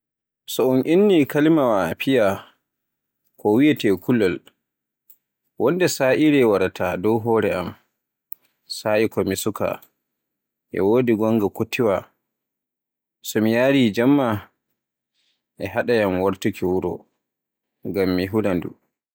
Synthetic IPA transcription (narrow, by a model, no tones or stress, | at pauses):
sɔɔnʔinːikalimawapʰija | kʰɔwijɛtɛkʰulːɔl | wɔndɛsaːʔiɾɛwaɾatʰadɔwɦɔːɾɛʔam | saʔikɔmisuka̰ | ʔɛ̰woːdiɡɔŋɡakotʰiwa | sɔmijaːɾid͡ʒamːa | ʔɛɦaɗajamwaɾtukʰiwuɾɔ̰ | ŋɡamːiɦulandṵ